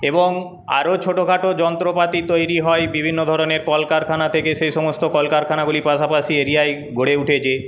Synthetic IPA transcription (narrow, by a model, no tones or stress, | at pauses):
eboŋ | a̰ɾot͡ɕʰoʈoɡʱaʈod͡ʑɔnt̪ɾopat̪it̪ojɾiɦɔebibʱinːod̪ʱɔɾoneɾkɔlkaɾkʰanat̪ʰekeʃejʃɔmost̪okɔlkaɾkʰanaɡulipaʃapaʃieɾiae | ɡʱoɽeuʈʰet͡ɕʰe